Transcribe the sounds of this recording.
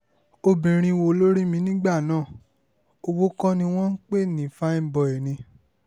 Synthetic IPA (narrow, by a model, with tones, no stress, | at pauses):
o˧bĩ˨ɾ̃ĩ˧wo˧lo˦ɾi˦mĩ˧˦nĩ˦ɡ͡ba˦˨nãː˦˨ | o˧wo˦kɔ̃˦nĩ˧w̃ɔ̃˦n̩˦k͡pe˦˨nĩ˨fa˦ĩ˦˨˦bɔ˧˨ɛ˨nĩ˧